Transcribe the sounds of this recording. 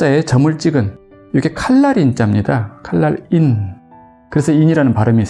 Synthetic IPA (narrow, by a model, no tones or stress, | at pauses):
aet͡ɕʌmɯɭt͡ɕ͈iɡɯn | jokʰekʰaɭːaɾint͡ɕ͈amɲidakʰaɭːaɾin | kɯɾesʰʌiɲiɾanɯnpaɾɯmiis